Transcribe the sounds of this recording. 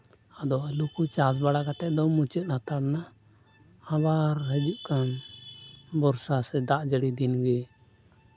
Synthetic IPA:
ad̪ɔʔalukut͡ʃas̬baɽakat̪ɛʔd̪ɔmut͡ʃət̪̚nat̪aɽna | habaɾɦəd͡ʒuʔkan | bɔɾsasɛd̪aʔd͡ʒəɽid̪inɡɛ

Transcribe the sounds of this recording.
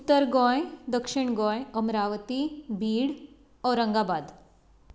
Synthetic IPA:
ut̪ːəɾɡɔ̃jd̪əkʂiɳɡɔ̃jəmɾaʋət̪ibʱiːɽ | ɔɾəŋɡabad̪

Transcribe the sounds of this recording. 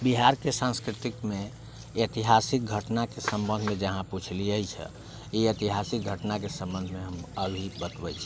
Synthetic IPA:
biɦaɾkesãnskɾit̪ikme | et̪iɦasik̚ɡʱəʈnakesə̃mbə̃nd̪ʱmẽd͡ʒəɦãput͡ʃʰliəjt͡ʃʰɛ̰ | iet̪iɦasik̚ɡʱəʈnakesə̃mbə̃nd̪ʱmeɦəməbʱibət̪bɛt͡ʃʰi

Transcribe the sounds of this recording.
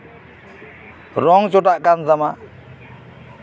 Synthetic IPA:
ɾɔŋt͡ʃɔʈaʔkanzama

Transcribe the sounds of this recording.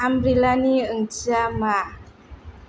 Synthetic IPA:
ambɾilaniəŋd͡ʒama

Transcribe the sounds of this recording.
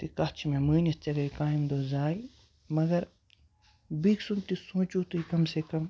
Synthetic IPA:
t̪ikaːt͡ʃʰmẽməːnɐtt͡ʃɐɡɐikaːimd̪oːzaːi | mɐɡɐɾ | biksunt̪isũːt͡ʃuːt̪uikɐmsekɐm

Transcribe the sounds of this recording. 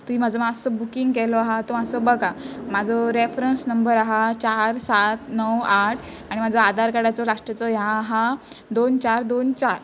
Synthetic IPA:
t̪uim̤ad͡zɔmasɔbukiŋɡkɛlɔaɦat̪omasɔbəɡamad͡zʱɔɾefɾənsnəmbəɾaɦat͡ɕaɾsat̪nəwaʈʰ | aɽ̃im̤ad͡zɔad̪aɾkaɽat͡sɔlaʂʈət͡sɔjãːɦa | d̪ont͡ɕaɾd̪ont͡ɕaɾ

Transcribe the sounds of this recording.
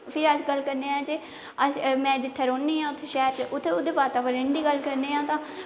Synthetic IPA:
pʰɪɾəsɡəlːkəɾneːãːt͡ʃeː | əsmɛ̃ːd͡ʒɪt̪ʰːeːɾoːnd̪iːɦãːʊt̪ʰːeːʃɛːɾt͡ʃʔʊt̪ʰːeːʊd̪eːbaːt̪aːʋəɾənd̪iːɡəlkəɾneːɦãːt̪ãː

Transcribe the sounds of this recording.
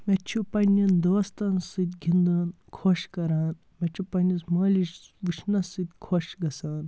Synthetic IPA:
met͡ʃʰupɐnʲːɐnd̪oːst̪ɐnsɨt̪ʲɡʱʲind̪un | kʰoʃkɐɾaːn | met͡ʃʰupɐnʲismɐːlʲiʃʋɨʃʰnɐsɨt̪ʲkʰoʃɡɐsaːn

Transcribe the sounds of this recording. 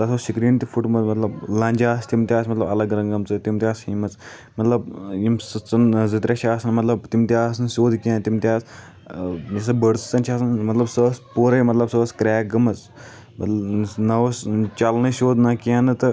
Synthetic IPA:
t̪ɐsʰosikɾint̪ifuʈmɐt̪mɐt̪lɐblãːnʲd͡ʒaːst̪imt̪iaːsmɐt̪lɐbɐlɐɡɾɐ̃ŋɡɐmt͡sɨt̪imt̪ʲjaːshimɐt͡s | mɐt̪lɐb̚jimsɨt͡sɐnzit̪ɾʲʔaʃʰaːsnmɐt̪lɐb̚t̪imt̪ʲjaːs̬nɨʃoːd̪kiãːnt̪imt̪ʲaːs | jɐs̬ɐbəɽt͡st͡sɐnt͡ʃʰaːsnmɐt̪lɐbsəspoːɾɐmɐt̪lɐbsəːskɾaːɡɐmɐt͡s | mɐt̪lnɐʋɐst͡ʃalnəsoːd̪ʱnakãːnɨt̪ɨ

